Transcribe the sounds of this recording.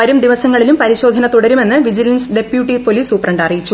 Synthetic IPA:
ɐɾumd̪iʋɐsɐŋːɐɭilumpɐɾiɕo̞ːd̪ʱɐnɐt̪uɽɐɾume̞nːɨʋid͡ʑilɐnsɖe̞pjuːʈːipo̞liːsuprɐɳɖɐrijit͡ɕːu

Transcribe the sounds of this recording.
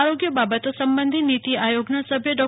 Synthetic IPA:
aɾoɡjəbabət̪osɐmbənd̪ʱinit̪iʔajoɡnasəbʱjəɖɔ

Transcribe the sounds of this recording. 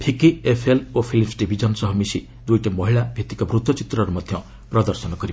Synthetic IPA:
pʰikiepʰelopʰilisɖibʱid͡ʒʌnsʌɦɔmisi | d̪ujʈemɔɦiɭabʱit̪ikɔbɾut̪wɔt͡ʃit̪ɾɔɾɔmɔd̪ʱjʌ | pɾɔd̪ɔɾsɔnɔkʌɾib

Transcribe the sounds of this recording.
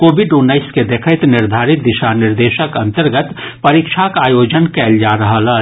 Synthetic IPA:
koːbɪɖunːəɪsked̪ekʰət̪nɪɾd̪ʱaːɾɪt̪̚d̪ɪʃanɪɾd̪eːʃəkɐ̃nt̪əɾɡət̪pɐɾikʃʰakaːjoːd͡ʒənkɛːld͡ʒaɾəɦəla

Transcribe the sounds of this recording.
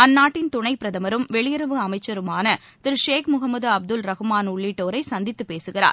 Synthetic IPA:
ɐnːaːʈːɪnt̪ʊɳɐɪpɪɾɐðɐmɐɾɯmʋɛɭɪjɐɾɐʋɯɐmɐɪt͡ʃːɐɾɯmaːnɐ | t̪ɪɾʂeːkmʊɣɐmːɐðɐb̚d̪ɯlɾɐɣɯmaːnʊɭːiːʈːoːɾɐɪsɐnd̪ɪt̪ːɯpːeːsɯɣɪra̰ːɾ

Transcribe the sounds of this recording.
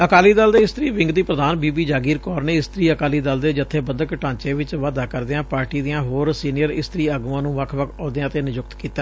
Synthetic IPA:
əkaːliːd̪əld̪eːɪst̪əɾiːʋɪ̃ŋɡd̪iːpɾəd̪aːnbiːbiːd͡ʒaːɡiːɾkɔːɾneːɪst̪ɾiːəkaːliːd̪əld̪eːd͡ʒət̪ʰːeːbənd̪əkʈãːt͡ʃẽːʋɪt͡ʃʋaːd̪aːkəɾd̪eːãːpaːɾʈiːd̪ɪjãːɦoːɾsiːnɪjəɾɪst̪əɾiːəɡuãːnũːʋəkʰʋəkʰɔːd̪eãːt̪eːnɪd͡ʒʊkt̪kiːt̪aː

